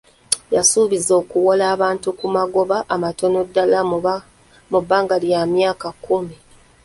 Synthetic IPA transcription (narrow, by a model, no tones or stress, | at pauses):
jasuːβizo̞ːkuwolaːβaːntukumaɡo̞βaʔːmato̞no̞dːala | mubːaːŋɡalijamjaːkakːumi